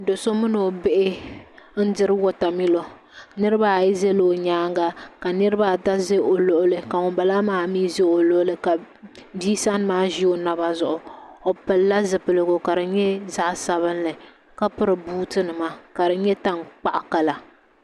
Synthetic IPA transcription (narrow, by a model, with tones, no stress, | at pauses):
do˨so˦mɨ˦no˨be˦ʔɪ˦n̩˦dɨ˦ɾɨ˦wo˦ta˨mi˦lo˨ | nɨ˦ɾɨ˦ba˦˨ji˦zɛ˦loː˨ɲaː˦ŋɡa˦ka˨nɨ˦ɾɨ˦ba˦˨ta˦ze˦o˨lo˦ʔʊ˦lɨ˨ka˨ʊ˨ba˨la˦maː˦miː˦ze˦o˨lo˦ʔʊ˦lɨ˨ka˨ | biː˦sa˦n˦maː˦ʒi˦o˦na˨ba˦zʊ˨ʔʊ˨o˨pɨ˨lːa˦zɨ˨pɨ˨lɨ˨ɡʊ˨ka˨ɾɨ˨ɲɛ˦za˦ʔsa˦βɨ˦nlɨ˨ | ka˦pɨ˦ɾɨ˨buː˦tɨ˦nɨ˨ma˦ka˨dɨ˨ɲɛ˦ta˦ŋk͡pa˨ʔa˨ka˨la˨